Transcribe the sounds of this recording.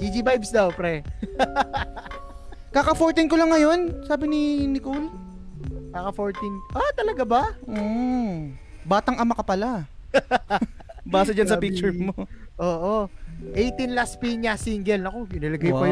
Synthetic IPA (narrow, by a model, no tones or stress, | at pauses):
d͡ʒid͡ʒibajbsd̪ɐwpɾɛ | kakɐfoɹt̪ɪnkolɐŋːɐjo̞nsaːbɪnɪnɪkul | kakɐfoɹt̪inʔat̪ɐlɐɡabɐm̩ː | baːt̪ɐŋɐmɐkɐpɐla | baːsɐd͡ʒɐnsɐpik̚t͡ʃʊɹmoʔoːʔoʔejt̪inlaspiɲasiŋɡɛlnɐko̞kɪnɐlɐɡajpɐj